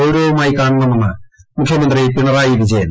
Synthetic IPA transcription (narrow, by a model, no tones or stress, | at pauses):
oɾoːʋɐmaːjikaːɳunːɐmenːɐmukʰjɐmɐnd̪ripiɳɐraːjiʋid͡ʑɐjɐn